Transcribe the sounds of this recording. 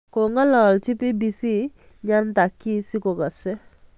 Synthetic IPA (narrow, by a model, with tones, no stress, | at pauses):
ko˨ŋa˦lɔ˨lti˦pi˦bi˦si˦ | ɲa˦nta˨kːi˦si˦ko˨kɔ˨sɛ˦